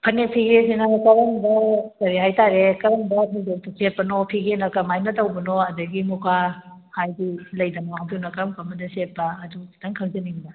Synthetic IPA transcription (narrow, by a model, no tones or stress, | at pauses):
pʰɐnepʰiɡesinɐkɐɾɐŋbɐkɐɾiɦajtaɾekɐɾɐŋbɐpʰiŋɡek̚tɐset̚pːɐnopʰiɡenɐkɐmajnɐtɐwbɐnoɐdɐɡimukʰa | hajɡilɐjdɐnoɐdunɐkɐɾɐmkɐmɐdɐset̚pːɐːdudɐŋkʰɐŋd͡ʒɐniŋdɐ